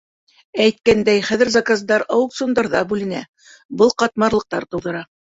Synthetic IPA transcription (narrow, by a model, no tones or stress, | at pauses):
æjt̪̚kænd̪æjχæðɘ̆ɾzɑkazd̪ɑɾɑwɤk̚t̪sund̪ɑɾðɑbʉlɘ̆næ̰ | bɤlˠqɑt̪̚mɑɾlˠɤ̆q̚t̪ɑɾt̪ɤ̆wðɤ̆ɾɑ